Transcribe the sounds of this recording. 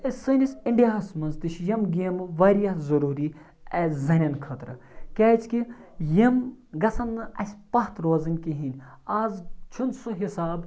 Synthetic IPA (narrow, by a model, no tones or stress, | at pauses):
ɐsɨnʲisʲiɳɖijaːsmɐnzt̪iʃjɐmɡʲeːmʋɐːɾijaɦzɐɾuːɾi | ɐzɐnʲɐnkʰɐt̪ɾɨ̰ | kʲaːt͡ʃʰkijɐmɡɐsɐnːɨɐsʲpɐɦt̪ɾoːzɨnʲkiɦinʲ | aːzt͡ʃʰunsoɦisaːb